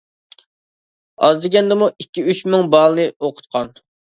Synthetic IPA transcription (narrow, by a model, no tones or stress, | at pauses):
ɑ̰zd̪ɪɡʲɛnd̪ɪmuikʲːiyt͡ʃmɪŋbɑlˠɨnɨoqʰʊ̥t̪̚qʰɑn